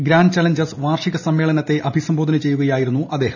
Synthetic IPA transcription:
ɡɾaːɳɖt͡ɕaːlɐɲd͡ʑɐrsʋaːrʂiɣɐsɐmːe̞ːɭɐnɐt̪ːe̞ʔɐbʱisɐmbʱoːd̪ɐnɐt͡ɕe̞jːuɣɐjaːjiɾunːuʔɐd̪e̞ːhɐm

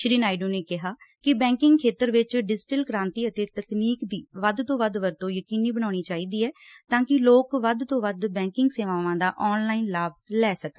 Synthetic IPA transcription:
ʃɾiːnaːɪɖũːneːkɪɦaːkɪbɛ̃ːŋkɪ̃ŋɡkʰeːt̪əɾʋɪt͡ʃɖɪd͡ʒʈəlkəɾãːnt̪iːət̪eːt̪əkniːkd̪iːʋəd̪t̪õːʋəd̪ʋəɾt̪õːjəkiːniːbəñaːɽ̃iːt͡ʃaːiːd̪iːɛːt̪ãːkɪloːkʋəd̪t̪õːʋəd̪bɛ̃ːŋkɪŋɡseːʋãːʋãːd̪aːʔɔːnlaːinlaːb̚lɛːsəkː

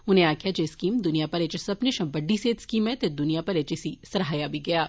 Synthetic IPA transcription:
ʊnẽaːkʰijad͡ʒeskiːmd̪ʊnijapɐɾeːt͡ʃsɐbneʃɐ̃mbɐɖːiseːt̪skiːmɦɛ̃t̪ed̪ʊnijapɐɾeːt͡ʃɪsisɐɾɦaːjabʱiɡɐjaː

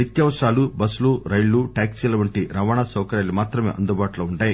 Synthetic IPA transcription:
it̪jɐːmsaːlubɐsuluɾɐjɭːuʈaːksilɐʋɐɳʈiɾɐʋaːɳasɐːkɐɾaːjlimaːt̪ɾɐmeːʔɐnd̪ubaːʈuloːuɳʈaːji

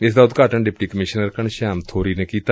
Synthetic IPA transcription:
ɪsd̪aːʊt̪ɡaːʈəɳɖɪpʈiːkəmɪʃnəɾkəɳʃaːmt̪ʰoːɾiːneːkiːt̪a

